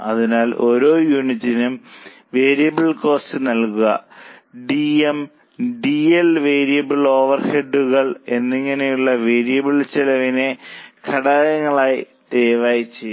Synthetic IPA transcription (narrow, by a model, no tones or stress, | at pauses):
ɐðinaːlʔo̞ɾo̞ːjuːnitːinum | ʋeːɾijɐbɐɭko̞ːstɨnɐlkuɣɐ̰ɖiem | ɖielʋe̞ːɾijɐbilo̞ːʋɐrheɖːuɣɐɭe̞nːiŋːɐnejuɭːɐʋe̞ːɾijɐbiɭt͡ɕelɐʋine̞kʰɐɽaːjɐŋːɐɭaːji | t̪eːʋaːjit͡ɕːejː